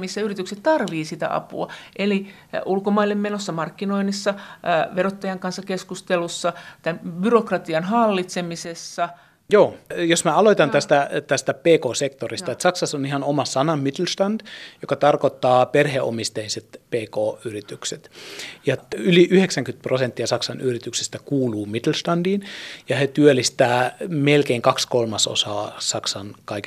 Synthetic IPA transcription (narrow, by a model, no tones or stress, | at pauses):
misːæyrit̪ykset̪t̪ɑrʋiːsit̪æ̰ʔɑ̰pṵɑ̰ʔeli | ulkomɑilːemmenosːɑmɑrkːinoinisːɑʋerot̪ːɑjɑŋkɑnsːɑkeskust̪elusːɑt̪ænbyrokrɑt̪iɑnɦɑlːit̪semisesːɑ | joːjosmæɑloit̪ɑnt̪æst̪æt̪æst̪æpeːkoːsekt̪orist̪ɑet̪sɑksɑsonihɑnomɑsɑnɑmmit̪lst̪ɑnd̥jokɑt̪ɑrkot̪ːɑːperheʔo̰mist̪eiset̪peːkoːyrit̪ykset̪jɑyliʔyheksæŋkyt̪̚prosent̪ːiɑsɑksɑnyrit̪ykse̥st̪ækuːluːmit̪lst̪ɑndiːnjɑhet̪yølːist̪æːmelkeiŋkɑkskolmɑso̰sɑ̰ːsɑksɑnkɑik